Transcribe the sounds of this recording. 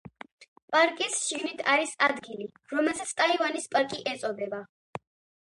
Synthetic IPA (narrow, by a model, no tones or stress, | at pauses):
pʼaɾkʼisʃiɡnit̪ʰaɾisad̪ɡili | ɾɔmɛlˠsat̪sʰt̪ʼaivanispʼaɾkʼiʔɛt̪sʼɔb̪ɛba